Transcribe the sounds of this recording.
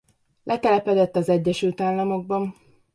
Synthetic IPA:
lʔɛt̪ɛlɛpɛd̪ɛt̪ːɒzɛɟːɛʃylt̪aːlːɒmo̞ɡ̚bɒn

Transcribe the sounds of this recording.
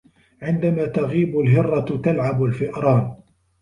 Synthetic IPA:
ʕɪnd̪amaːt̪aɣiːbʊlɦɪrˤːɑt̪alʕabalfɪʔɾˤɑːn

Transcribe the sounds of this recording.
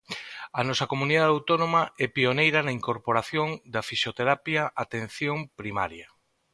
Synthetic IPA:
ɐnɔsɐkomuniðaðawt̪onomaɛpionejɾɐnɐiŋkoɾpoɾaθjoŋd̪ɐfisjot̪eɾapjaʔat̪ẽn̟θjoŋpɾima̰ɾjɐ

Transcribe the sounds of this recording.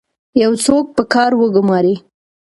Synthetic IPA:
jawt͡sok̚pəkɑɾwəɡʊmɑɾi

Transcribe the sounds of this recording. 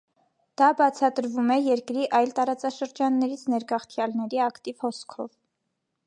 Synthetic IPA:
d̪̥ɑbɑt͡sʰɑt̪əɾvumɛjɛɾkɾiʔɑjlt̪ɑɾɑt͡sɑʃəɾd͡ʒɑnːɛɾit͡sʰnɛɾɡɑχt̪ʰjɑlnɛɾiɑkt̪ivhɔskʰɔ̰v

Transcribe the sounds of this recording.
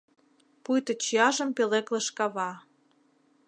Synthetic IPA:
pujt̪ɤ̆t͡ɕiɑʒə̆mpelekleʃkɑβɑ

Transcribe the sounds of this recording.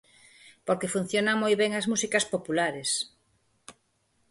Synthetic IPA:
poɾkefun̟θjonaŋmojβeŋɐzmusikɐspopulaɾes

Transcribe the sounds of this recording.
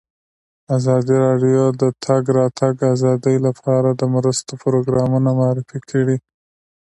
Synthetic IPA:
azɑd̪iɾɑɖjod̪ət̪ʰaɡɾɑt̪ʰaɡazɑd̪əjlapʰɑɾad̪əmɾəst̪opɾoɡɾɑmunamʊɑɾɪfikʰaɽi

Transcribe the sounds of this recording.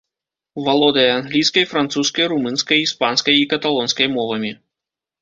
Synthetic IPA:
valˠɔd̪ɐjɛanɣlʲijskɐjfɾant̪suskɐjɾumɨnskɐjispanskɐjikɐt̪alˠɔnskɐjmɔvɐmʲi

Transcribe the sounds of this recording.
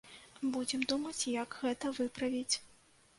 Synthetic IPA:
bud͡zʲɛmd̪umɐt͡sʲjɐɡɣɛt̪ɐvɨpɾɐvʲit͡sʲ

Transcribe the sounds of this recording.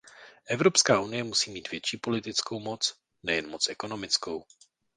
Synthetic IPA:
ʔɛvɾopskaːʔunɪjɛmusiːmiːt̪v̥jɛt͡ʃiːpo̞lɪt̪ɪt͡skowmo̞t͡s | nɛjɛnmot͡sʔɛko̞no̞mɪt͡sko̞w

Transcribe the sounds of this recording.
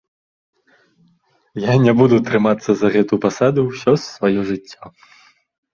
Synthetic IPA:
janʲɛbud̪ut̪ɾɨmat̪sːɐzɐɣɛt̪upasad̪uwsʲɔsːvajɔʐɨt͡sʲːa

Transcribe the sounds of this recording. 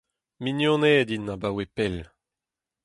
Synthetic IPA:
minjɔ̃nɛːd̪inːabawepɛl

